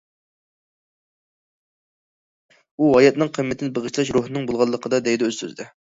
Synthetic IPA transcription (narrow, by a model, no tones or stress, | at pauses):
uɑjɛt̪̚nɨŋqʰəmːɛt̪ʰɪnɪbəʁəʃʰlˠɑʃɾoɦnɨŋbolˠʁɑlˠːəqʰəd̪ɑd̪ɛjd̪ɛøzsø̰zɪd̪ɛ